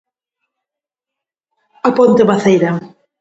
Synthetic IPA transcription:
apont̪ɪβaθejɾa

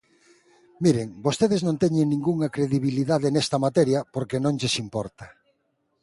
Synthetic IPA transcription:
miɾeŋbost̪eðeznõnt̪ɛɲeŋnĩŋɡuŋakɾeðiβiliðaðenɛst̪ɐmat̪ɛɾjɐpoɾkenõŋʎesimpɔɾt̪a

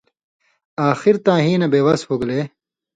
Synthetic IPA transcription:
aːxiɾt̪ãːɦĩːnɐbeːwɐshoɡleː

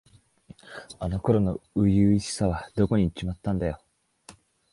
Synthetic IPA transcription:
ano̞ko̞ɾo̞no̞ɯ̟jɯiɕi̥saβ̞ad̪o̞ko̞ɲ̟it͡ɕimat̪ːãnd̪ajo̞

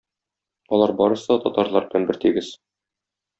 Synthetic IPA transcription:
ɒlˠɑɾbɒɾɤ̆sɤt̪ɒt̪ɑɾlˠɑɾbɘ̆lænbɘɾt̪iɡɘz

